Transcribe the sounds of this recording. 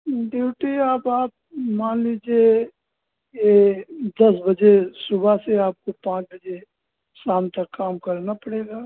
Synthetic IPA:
ɖiwʈiaːpaːp̚maːnliːd͡ʒie | ked̪ɐsbəd͡ʒesʊbʱaseaːp̚kopãːt͡ʃbəd͡ʒe | saːmt̪ɐkːaːmkɐɾnapɐɽeːɡaː

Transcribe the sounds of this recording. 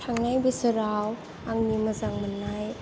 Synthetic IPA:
tʰaŋnajbɐsɯɾaw | aŋnimɐzaŋmanːaj

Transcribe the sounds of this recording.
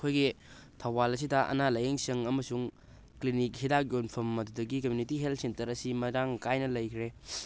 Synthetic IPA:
kʰojɡi | tʰɐwbalɐs̬idɐʔɐ̰nalɐjeŋsɐŋɐmɐsuŋ | klinik̚hidak̚jonpʰɐmːɐdudɐɡikɐmjunitiɦeltsentɐɾɐsimɐɾaŋkajnɐlɐjkʰɾe

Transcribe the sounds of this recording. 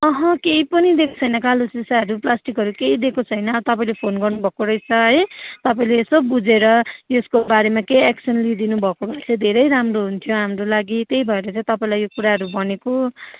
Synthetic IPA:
ʌɦʌ̃kejpʌnid̪ekʰo̥t͡sʰʌjnʌkalosisaʌɾuplasʈikɦʌɾukeid̪ekot͡sʰʌjnʌt̪ʌpãĩlepʰonɡʌrnubʱʌkoɾʌjt͡sʰʌʌjt̪ʌpaĩleːsobud͡zeɾʌeskobaɾemakejeksʰʌnlid̪inubʱʌkobʌt͡sʰẽd̪ʱeɾʌjɾamroɦunt̪ʰjoɦamɾolaɡit̪ejbʱʌeɾʌt͡sãĩt̪ʌpaĩlajjokuɾaɦʌɾubʌneko

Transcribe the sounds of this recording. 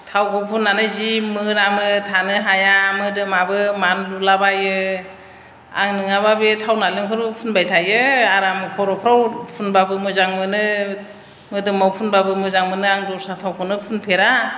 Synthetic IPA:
tʰawkʰɔwpʰunːanɯjzimɯɾamɯtʰanɯɦajamɯdɯmabɯmanlulabajɯ | a̰ŋnɯŋababɯtʰawnalɯŋkʰɔɾɯpʰunbajtʰajɯaɾamɯkʰɔɾɔpʰɾawpʰunbabɯmɯzaŋmɯnɯ | mɯdɯmawpʰunbabɯmɯzaŋmɯnɯaŋdɔɾsatʰawkʰɔnɯpʰunpʰeɾa

